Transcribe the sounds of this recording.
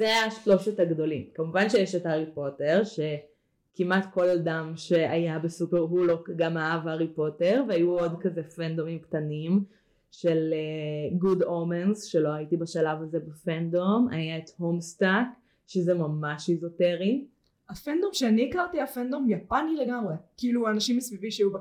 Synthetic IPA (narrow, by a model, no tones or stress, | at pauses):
zeaʃlo̞ʃethaɡdo̞limkamuvanʃejeʃethaʁipo̞teʁʃe | kimʔatko̞ldamʃe̞ajabesupeʁɦulokɡamaavhaʁipo̞teʁveajuo̞dkazefend̪omimktanim | ʃeleɡudomenzʃelo̞aitibaʃalavaze̞bafendoma̰jaethomstak | ʃezemamaʃizoteʁi | afend̪omʃeaniːkaʁtiafendomjapanileɡamʁekiiluanaʃimesvivimʃeajub